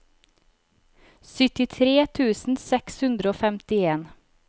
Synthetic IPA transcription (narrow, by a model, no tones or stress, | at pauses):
sʏt̪ɪt̪ʰɾeːt̪ʰʉːsn̩sɛkshʉnd̪ɾəoːfɛmt̪ɪeːn